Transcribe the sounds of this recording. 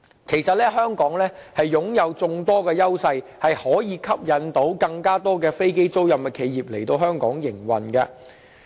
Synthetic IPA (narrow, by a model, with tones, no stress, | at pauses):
kʰe˨˩jsɐ˨t̚lɛː˥ɦœː˥ŋkɔː˨˥ŋlɛː˥hɐ˨jːʊ˨˥ŋjɐ˨˧wt͡sʊ˧ŋt̪ɔː˥kɛː˧jɐ˥wsɐ˧jhɐ˨jhɔː˨˥jiː˨˧kʰɐ˥p̚jɐ˨˧nt̪o˨˥wkɐ˧ŋkaː˥t̪ɔː˥kɛː˧fe˥jke˥jt͡so˥wjɐ˨mkɛ˧kʰe˨˧jjiː˨p̚le˨˩jt̪o˧wɦœː˥ŋkɔː˨˥ŋjɪ˨˩ŋwɐ˨nkɐ̰ː˧